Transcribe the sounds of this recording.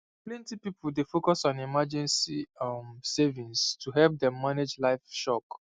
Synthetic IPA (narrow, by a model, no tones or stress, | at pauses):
plɛ̃ntipipuldefokɔsɔ̃nimad͡ʒɛ̃nsimsevĩnstʰuɦɛlp̚dɛ̃mːaned͡ʒlaɪfʃɔk